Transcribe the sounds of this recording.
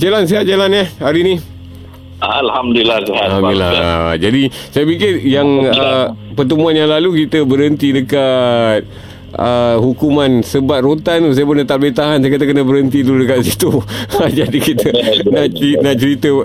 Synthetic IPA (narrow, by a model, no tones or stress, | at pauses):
d͡ʒalans̬eɦat̪̚d͡ʒalanahhaɾinĩ | aalhamduilasehahamdduilːa̰d͡ʒadisajapikɪrjaŋəpərt̪̬əmũanjaŋlalukit̪əbəɾɦənt̪idəkat̪̚ | ʔəhukumãnsəbat̪̚rot̪anus̬ajəpənət̪aʔ̚bet̪aɦansajakat̪̬akənəbəɾɦənt̪iduludəkat̪̚sit̪uad͡ʒadikit̪ənaʔinaʔt͡ʃəɾit̪ə